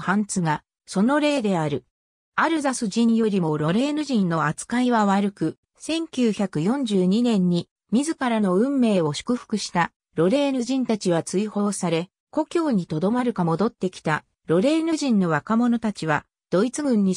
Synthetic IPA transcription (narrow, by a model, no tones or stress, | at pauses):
hãnt͡sɨɡa | so̞no̞ɾe̞ːd̪e̞aɾɯ̟ | aɾɯ̟zasɨʑĩɰjo̞ɾʲimo̞ɾo̞ɾe̞ːnɯ̟ʑĩnːo̞at͡sɨ̥kaiβaβaɾɯ̟kɯ̟ | sẽ̞ŋkʲɨːçakɯ̟jõ̞ɲ̟d͡ʑɨːɲ̟inẽ̞ɲ̟ːi | mʲizɨkaɾano̞ɯ̟̃mːe̞ːo̞ɕi̥kɯ̟ɸɯ̟̥kɯ̟ɕi̥t̪a | ɾo̞ɾe̞ːnɯ̟ʑĩnt̪at͡ɕiβat͡sɨiho̞ːsaɾe̞ | ko̞kʲo̞ːɲ̟it̪o̞d̪o̞maɾɯ̟kamo̞d̪o̞t̪ːe̞kʲi̥t̪a | ɾo̞ɾe̞ːnɯʑĩnːo̞βakamo̞no̞t̪at͡ɕiβ̞a | d̪̥o̞it͡sɨɡɯ̟̃ɲ̟ːi